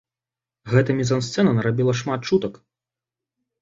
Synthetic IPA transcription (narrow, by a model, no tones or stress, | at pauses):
ɣɛt̪ɐmʲizɐnst̪sɛnɐnɐɾabʲilˠɐʂmat̪̚t͡ʂut̪ɐk